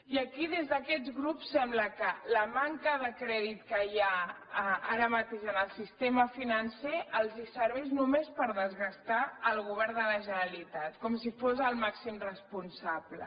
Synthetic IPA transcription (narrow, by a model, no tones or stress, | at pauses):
iəkiðezðəkɛt̪ɣɾupsːɛmbləkələmaŋkəðəkɾɛðit̪kəja | aɾəmət̪eʃənəlˠsist̪eməfinənseəlˠzisəɾβɛznumespəɾðəzɣəst̪aəlˠɣuβ̞ɛɾnd̪ələʒənəlit̪at̪kɔmsifozəlˠmaksimrəspunsablə̰